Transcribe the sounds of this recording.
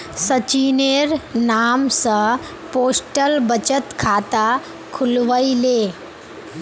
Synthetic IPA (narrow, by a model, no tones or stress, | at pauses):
sət͡ɕineɾnamsə | posʈəlbət͡ɕət̪kʰat̪a | kʰulʋəile